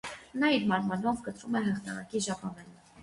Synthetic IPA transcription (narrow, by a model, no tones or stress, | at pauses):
nɑiɾmɑɾmɑnɔvkət̪ɾumɛɦəχt̪ɑʁɑ̰kiʒɑpɑnɛl